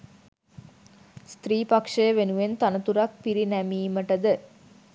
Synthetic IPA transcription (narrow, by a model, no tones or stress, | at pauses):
st̪ɾiːpakʂəjəʋenuʋent̪anət̪uɾak̚piɾinæmiːməʈəd̪ə